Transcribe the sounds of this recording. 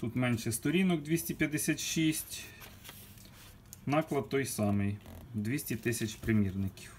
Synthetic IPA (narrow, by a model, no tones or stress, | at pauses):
t̪ut̪mɛnʃɛst̪ɔɾʲinɔɡ̚d̪ʲʋʲisʲtʲipʲjɐd̪esʲat̪ʃisʲtʲ | nɑklˠɐd̪̚t̪ːɔjsɑmɪjd̪ʋʲisʲtʲit̪ɪsʲɐt͡ʃpɾɪmʲirnɪkʲi̥w